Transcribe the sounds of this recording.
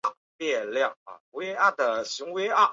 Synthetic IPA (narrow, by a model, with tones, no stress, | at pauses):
a˥˩ | pjɛ˥˧ljɑ˥˩ŋa̰˩we˧˥ʔa˥˩d̪ə˨˩ɕi˧˥ŋwe˧˥a˥˩